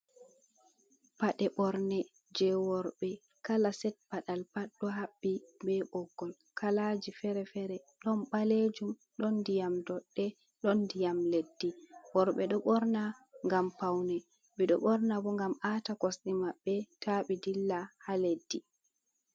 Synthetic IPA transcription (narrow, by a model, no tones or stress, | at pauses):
paɗɛɓɔɾnɛ | d͡ʒɛwɔɾɓɛ | kalasɛt̚paɗalpaɗɗɔɦaɓːibɛɓɔɡːɔl | kʰalad͡ʒifɛɾɛfɛɾɛɗɔnɓaled͡ʒum | ɗɔndijamdɔɗːɛ | ɗɔndijamledːiwɔɾɓɛɗɔɓɔɾnaŋɡampawnɛ | ɓɛɗɔ̰ɓɔɾnabɔŋɡamaːtakɔsɗimaɓːɛtaɓɛdilːahaledːi